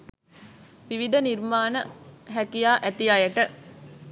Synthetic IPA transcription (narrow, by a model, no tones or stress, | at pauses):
ʋiʋid̪əniɾmaːnəɦækijaːʔæt̪ijajəʈə